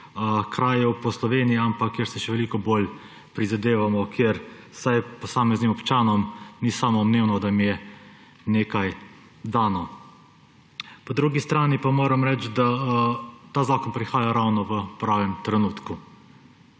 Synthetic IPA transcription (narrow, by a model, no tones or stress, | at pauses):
əkɾaːjɛwpɔslɔʋeːnijɛampakːeɾsɛʃɛʋɛlikɔboːl | pɾizad̪eːʋamɔkʰjeɾ | sajpɔsaːmɛznimɔpt͡ʃaːnɔmnisaːmɔmneːwnɔd̪amijɛ | neːkaj | d̪aːnɔ | pɔd̪ɾuɡist̪ɾaːnipamoːɾɛmɾɛt͡ʃd̪a | t̪aːzaːkɔnpɾixaːjaɾawnɔʋəpɾaːʋɛmt̪ɾɛnuːt̪ku